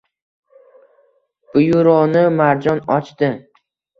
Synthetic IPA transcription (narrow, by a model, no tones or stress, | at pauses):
b̥ʊjʊɾɒnɪmaɾd͡ʒɒnɒt͡ʃt̪ɪ